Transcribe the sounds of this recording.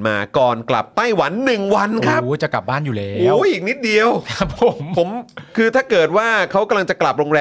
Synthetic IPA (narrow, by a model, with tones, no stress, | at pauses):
nma̰ː˧kɔː˨˩nkla̰˨˩p̚t̪a˥˩jwa˩˦nːɯ˨˩ŋwa˧nkʰa˦˥pt͡ɕa˨˩kla˨˩p̚baː˥˩njuː˨˩le˧˦ʔuː˨˩˦ʔiː˨˩k̚ni˦˥t̪̚di˧əwkʰa˦˥pʰo˩˦mpʰo˩˦mkʰɯː˧t̪ʰaː˥˩kɤː˨˩t̪̚waː˥˩kʰa˦˥wka˧mla˧ŋt͡ɕa˨˩kla˨˩p̚ɾoː˧ŋɾɛː˧